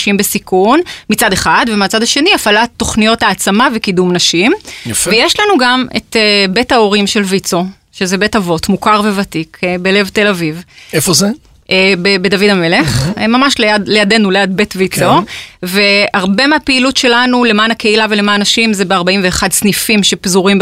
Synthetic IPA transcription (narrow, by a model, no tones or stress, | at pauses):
ʃimbesikunmit͡sade̞χadvemeat͡sadaʃe̞niafalatːo̞χnijo̞thaːt͡samavekidumnaʃimjvejeʃlanuɡamḛtebetaoʁimʃe̞lvit͡so̞ | ʃezebe̞tavo̞tmukaʁve̞vatikbele̞vt̪e̞lavivefoze | bebedavidame̞le̞χmamaʃleadlejade̞nulead̚be̞tvit͡soveaʁbemeapeilutʃe̞lanule̞maːnakeilavelemaːnnaʃimzebeaʁbaimveːχadsnifimʃe̞pzuʁimb